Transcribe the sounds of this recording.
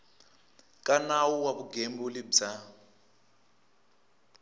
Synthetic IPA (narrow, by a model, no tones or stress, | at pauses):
kʼanawuwaβuɡembulibd͡za